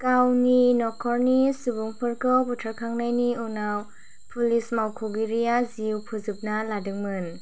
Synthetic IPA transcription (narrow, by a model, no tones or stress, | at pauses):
kawninɔkʰɔɾnisubuŋpʰɯɾkɔputʰaɾkʰaŋnajniunaw | pʰulismawkʰoɡiɾijaziwpʰuzɯp̚naladɯŋmɯn